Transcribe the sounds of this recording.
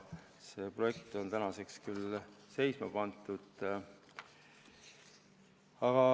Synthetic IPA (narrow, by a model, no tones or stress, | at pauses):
se̞ːpro̞je̞k̚t̪o̞nt̪ænɑse̞kskylse̞jsmɑpɑnt̪ːˑud̪̥ | ɑɡ̥ɑ